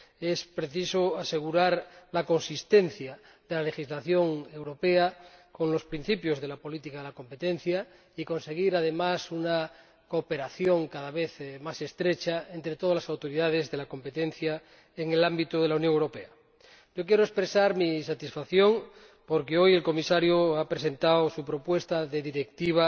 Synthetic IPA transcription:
espɾeθisoase̞ɣ̞uɾaɾlako̞nsist̪enθja | ðelale̞xizlaθjo̞ŋe̞wɾo̞peako̞nlo̞spɾin̟θipjo̞zð̞e̞lapo̞lit̪ikaðelako̞mpet̪en̟θja | iko̞nse̞ɣ̞iɾað̞e̞masuna | kope̞ɾaθjoŋkaðaβeθmase̞st̪ɾet͡ʃaent̪ɾet̪o̞ð̞azlasawt̪oɾiðað̞e̞zðe̞lako̞mpe̞t̪en̟θja | eŋelambit̪oðelaunjoŋewɾope̞a | ɟ͡ʝo̞k̬jeɾoespɾesaɾmisat̪isfaθjo̞ŋ | poɾkeoje̞lko̞misaɾjoapɾesẽ̞nt̪awsupɾo̞pwe̞st̪aðe̞ðiɾekt̪iβ̞a

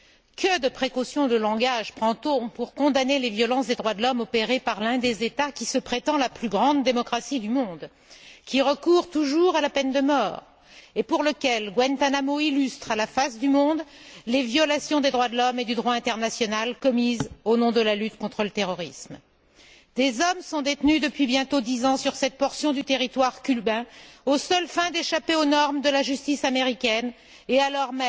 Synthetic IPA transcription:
kəd̪əpχekosjɔ̃d̪əlɑ̃ɡaʒpχɑ̃t̪opuʁkɔ̃d̪anelevjɔlɑ̃sd̪ed̪ʁwad̪əlɔmɔpeʁepaʁlɛ̃d̪ezet̪akʲisəpχet̪ɑ̃laplyɡʁɑ̃d̪ːemɔkχasid̪ymɔ̃d̪ | kʲiʁəkuʁt̪uʒuʁalapɛnd̪əmɔːʁ | epuʁləkʲɛlɡwɛnt̪anamoilyst̪χalafasd̪ymɔ̃d̪levjɔlasjɔ̃d̪ed̪ʁwad̪əlɔmed̪yd̪ʁwaɛ̃t̪ɛʁnasjɔnalkɔmizonɔ̃d̪əlalyt̪kɔ̃t̪χələt̪eʁɔʁism | d̪ezɔmsɔ̃d̪et̪nyd̪əpɥibjɛ̃t̪od̪izɑ̃syʁsɛt̪̚pɔʁsjɔ̃d̪yt̪eʁit̪waʁkʲylbɛ̃osœlfɛ̃d̪eʃapeonɔʁmd̪əlaʒyst̪isameʁikʲɛn | ealɔʁmɛ

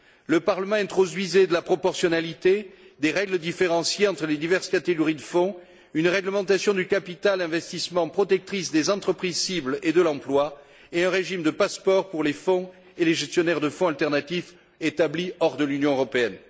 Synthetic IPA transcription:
ləpaʁləmɑ̃ɛ̃nt̪χɔd̪ɥized̪əlapχɔpɔʁsjɔnalit̪e | d̪eʁɛɡləd̪ifeʁɑ̃sjeɑ̃t̪χəled̪ivɛʁskat̪eɡɔʁid̪əfɔ̃ | ynʁɛɡləmɑ̃t̪asjɔ̃d̪ykapit̪alɛ̃vɛst̪ismɑ̃pχɔt̪ɛk̚t̪χis̬d̪ezɑ̃t̪χəpχizsibled̪əlɑ̃plwa | eɛ̃ʁeʒimd̪əpaspɔʁpuʁlefɔ̃ | eleʒɛst̪jɔnɛʁd̪əfɔ̃alt̪ɛʁnat̪if | et̪abliɔʁd̪əlynjɔ̃øʁɔpeɛn

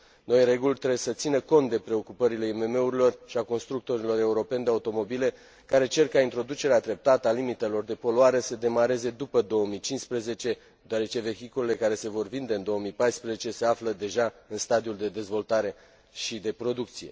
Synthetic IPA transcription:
no̞jɾe̞ɡulʲt̪ɾesət̪sinəko̞nt̪̚d̪e̞pɾe̞o̞kupəɾile̞ime̞me̞uɾilo̞rʃiako̞nst̪ɾuk̚t̪o̞ɾilo̞ɾe̞uɾo̞pe̞nd̪eaut̪o̞mo̞bile̞ | kaɾe̞t͡ʃe̞rkaint̪ɾo̞d̪ut͡ʃe̞ɾead̪ɾe̞p̚t̪at̪əalimit̪e̞lo̞rd̪e̞po̞luaɾe̞səd̪e̞maɾe̞ze̞d̪upəd̪o̞əmit͡ʃinspɾeze̞t͡ʃe̞ | d̪eoaɾe̞t͡ʃe̞ve̞çikule̞le̞kaɾe̞se̞vo̞rvind̪eɨnd̪o̞əmipajspɾezet͡ʃe̞seafləd̪e̞ʒaɨnst̪ad̪iuld̪e̞d̪e̞zvo̞lt̪aɾe̞ | ʃid̪e̞pɾo̞d̪uk̚t̪sije̞

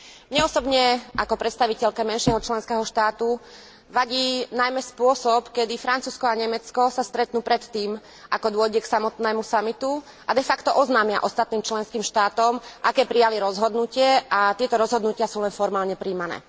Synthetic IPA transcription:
mɲɛɔsɔbɲɛʔakɔpɾɛt̪st̪aʋicɛʎkamɛnʃɪɛɦɔt͡ʃlɛnskɛːɦɔʃt̪aːt̪u | ʋaɟiːnajmɛspʊɔsɔpkɛd̪ifɾant͡suːskɔaɲɛmɛt͡skɔsast̪ɾɛt̪nuːpɾɛt̪ːiːm | ʔakɔd̪ʊɔɟɛksamɔt̪nɛːmusamit̪u | ʔad̪ɛfakt̪ɔʔɔznaːmɪaʔɔst̪at̪̚niːmt͡ʃlɛnskiːmʃt̪aːt̪ɔmʔakɛːpɾijaliɾɔzɦɔd̪nucɪɛʔat̪ɪɛt̪ɔɾɔzɦɔd̪nucɪasuːlɛnfɔɾmaːlɲɛpɾiːmanɛ̰ː

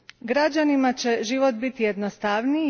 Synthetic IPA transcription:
ɡɾad͡ʑanimat͡ɕe̞ʒiʋo̞t̪̚bit̪ije̞d̪nost̪aʋni

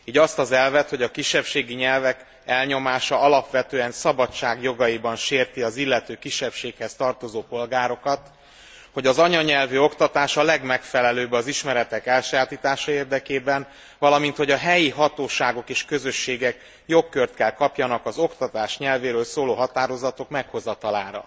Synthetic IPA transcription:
iːɟɒst̪ɒzɛlvɛt̪ho̞ɟɒkiʃːɛpʃeːɡiɲɛlvɛk | ɛlɲo̞maːʃɒɒlɒpʋɛt̪øːɛnsɒbɒt͡ʃːaːɡjo̞ɡɒjibɒnʃeːrt̪iɒzilːɛt̪øːkiʃːɛpʃeːkhɛst̪ɒrt̪o̞zoːpo̞lɡaːɾo̞kɒt̪ | ho̞ɟɒzɒɲɒɲɛlvyo̞kt̪ɒt̪aːʃɒlɛɡmɛkfɛlɛløːbɒziʃmɛɾɛt̪ɛkɛlʃɛjaːt̪iːt̪aːʃɒeːrd̪ɛkeːbɛn | vɒlɒmint̪ho̞ɟɒɦɛjiɦɒt̪oːʃaːɡo̞keːʃkø̞zø̞ʃːeːɡɛk | jo̞kːørt̪kɛlkɒpjɒnɒkɒzo̞kt̪ɒt̪aːʃɲɛlveːɾøːlsoːloːɦɒt̪aːɾo̞zɒt̪o̞kmɛkho̞zɒt̪ɒlaːɾɒ̰

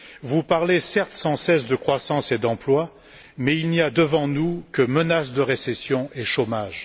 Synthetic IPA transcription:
vupaʁlesɛʁt̪sɑ̃sɛsd̪əkχwasɑ̃sed̪ɑ̃plwa | mɛilniad̪əvɑ̃nukəmənasd̪əʁesɛsjɔ̃ʔeʃomaʒ

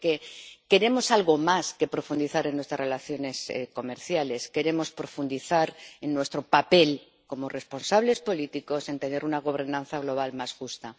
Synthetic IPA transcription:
ke̞ke̞ɾe̞mo̞salɣo̞maske̞pɾo̞fund̪iθaɾe̞nːwe̞st̪ɾare̞laθjo̞ne̞sḛko̞me̞ɾθjale̞ske̞ɾe̞mo̞spɾo̞fund̪iθaɾe̞nːwe̞st̪ɾopape̞l | ko̞mo̞re̞spo̞nsaβle̞spo̞lit̪iko̞se̞nt̪e̞ne̞ɾunaɣ̞o̞β̞e̞ɾnãn̟θaɣ̞lo̞β̞almasxust̪a

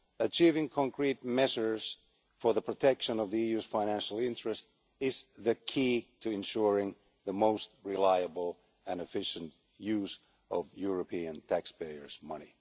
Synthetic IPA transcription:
ət͡ʃʰivɪ̃ŋkʰɑ̃ŋkʰɹit̚mɛʒə˞z̥ | fə˞ðəpʰɹ̥ɨtʰɛkʃə̃nʌvðiijʉz̥fãɪ̃ñæ̃nʃl̩ˠɪ̃nt͡ʃɹ̥ɨst | ɪzðɨkʰitʰɨɨ̃nʃʊɹɪ̃ŋ | ðəmoʊst̚ɹɪlaɪəbl̩ˠ | ɨ̃nɨfɪʃɨ̃nt | jʉz | ʌvjʊɹɨpʰiɨ̃ntʰækspeɪə̰˞z̥mʌni

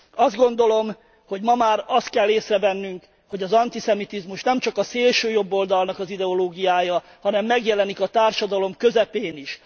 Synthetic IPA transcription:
ɒzd̪ɡo̞n̪d̪o̞lo̞m | ho̞ɟmɒmaːrɒst̪̚kɛlːeːsrɛvɛnːyŋk | ho̞ɟɒzɒnt̪isɛmit̪izmuʃnɛmt͡ʃɒkɒseːlʃøːjo̞bːo̞ld̪ɒlnɒkɒzid̪ɛo̞loːɡijaːjɒ | hɒnɛmːɛɡjɛlɛnikɒt̪aːrʃɒd̪ɒlo̞mkø̞zɛpeːniʃ

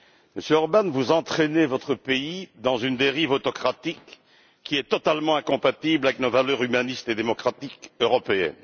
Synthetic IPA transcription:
məsjøɔʁbanvuzɑ̃t̪χenevɔt̪χəpeid̪ɑ̃zynd̪eʁivot̪ɔkχat̪ikː | iɛt̪ɔt̪almɑ̃ɛ̃kɔ̃pat̪iblavɛknovalœʁymanist̪ed̪emɔkχat̪ikøʁɔpeɛ̰n

